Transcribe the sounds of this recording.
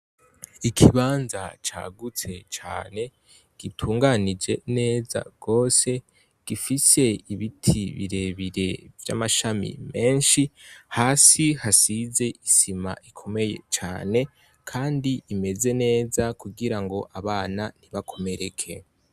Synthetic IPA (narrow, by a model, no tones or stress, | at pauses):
ikʰiβaːnza̰t͡ʃa̰ːɡut͡se̞t͡ʃa̰ːne̞ | ɡ̥itʰuːŋɡanid͡ʒe̞ne̞ːza̰ɡ̥o̞ːse̞ | ɡ̥ifise̞iβitʰiβḭɾe̞βiɾe̞vja̰maʃamḭme̞ːnʃihaːsihasize̞ʔisima̰ʔikʰo̞me̞je̞̰t͡ʃa̰ːne̞ | kʰaːndiime̞ze̞ne̞ːzakuɡiɾaŋɡo̞ʔaβaːnaniβakʰo̞me̞ɾe̞kʰe̞